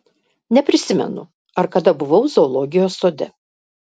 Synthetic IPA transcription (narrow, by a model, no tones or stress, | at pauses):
nʲɛpʲɾʲɪsʲɪmʲɛ̰nʊ̰ | ɐɾkɐd̪ɐbʊʋɐʊzoːlˠɔːɡʲɪjoːsːoːd̪ʲɛ̰